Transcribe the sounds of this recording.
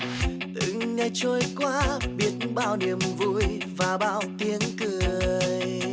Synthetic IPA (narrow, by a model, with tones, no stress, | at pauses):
ʔ̪ɨ̰˧˨ŋŋa˧jt͡ɕo˧jkwaː˧˦ɓi˦˥ət̚ɓa̰ː˧˨wni˨˩əmvṵ˧˨j | vaː˨˩ɓa̰ː˧˨wt̪i˧ənkɨ˨˧˩əəj